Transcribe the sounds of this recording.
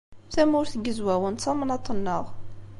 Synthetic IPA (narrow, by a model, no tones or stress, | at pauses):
θæmʊɾθəɡəzwæwənt̪sɑmənɑt̪ˤːənːəʁ